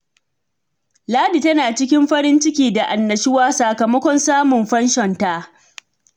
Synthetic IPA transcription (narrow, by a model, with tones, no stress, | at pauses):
laː˦di˨tɐ˦naː˨t͡ʃɪ˦kʲɪ˦mɸɐ˦ɾɪ˦nt͡ʃɪ˦kʲiː˨da˨ʔa˨nːɐ˨ʃɪ˦waː˦sa˨kɐ˨mɐ˦kʷɔ˦nsaː˦mʊ˨mɸɐ˦nʃɔ˨nta˦ʔ